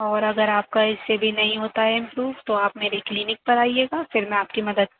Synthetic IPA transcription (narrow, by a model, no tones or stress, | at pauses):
ɔːɾɐɡəɾaːp̚kaɪssːebʱinɐɦĩɦoːt̪aɦɛɪ̃mpɾuːʋt̪oaːpmeːɾekliːnɪk̚pɐɾaːieːɡaːfɪɾmɛ̃aːp̚kimɐd̪əd̪̚